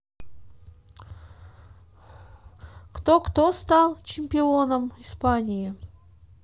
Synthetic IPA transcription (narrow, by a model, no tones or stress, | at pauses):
kt̪okt̪ost̪ɑlˠt͡ɕɪmʲpʲɪo̞nəmɪspanʲɪjɪ